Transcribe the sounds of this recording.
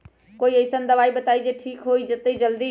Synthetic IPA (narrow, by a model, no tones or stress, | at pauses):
koːiɐɪsənd̪ɐʋaːibɐt̪aːid͡ʒeːʈʰiːkɦoːiːd͡ʒɐt̪eid͡ʒɐld̪iː